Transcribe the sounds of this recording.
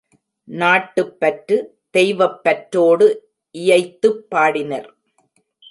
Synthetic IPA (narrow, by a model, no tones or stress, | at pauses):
naːʈːɯpːɐʈrɯ | d̪̥ɛjʋɐpːɐʈɾoːɽɯ | ʔɪjɐɪt̪ːɯpːaːɽɪnɐɾ